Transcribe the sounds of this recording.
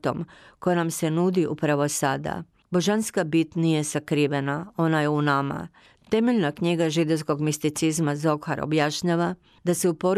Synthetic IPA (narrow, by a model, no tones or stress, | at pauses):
t̪o̞̰mkojanamse̞nud̪iʔupɾaʋo̞sad̪a̰ | bo̞ʒanskabit̪nije̞sakɾiːʋe̞nao̞naje̞unama̰ | t̪e̞meʎnakɲiɡaʒid̪o̞wsko̞ɡmist̪it̪sizmazo̞kxa̰ɾo̰bjaʃɲaːʋa | d̪ase̞upo̞ɾ